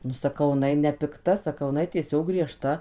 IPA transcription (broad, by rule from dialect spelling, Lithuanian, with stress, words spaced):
nʊ sɐˈkɐʊ ɪˈnɐɪ nʲɛpʲɪkˈtɐ sɐˈkɐʊ ɪˈnɐɪ tʲiɛˈsʲoːk ɡrʲiɛˈʃtɐ